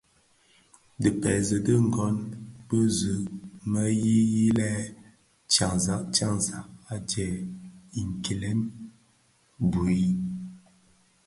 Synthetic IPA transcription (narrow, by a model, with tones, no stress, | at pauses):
də˨pɛ˨zə˨də˦ŋ̩˨ɡɔ˦nbə˦zə˨ʔmə˦ji˦ji˦lɛ˦ | t͡ʃa˨ŋza˨˦ʔt͡ʃa˦ŋza˨ʔa˦tɛ˨i˨ŋ̩˨ki˨le˦n | bu˨i˦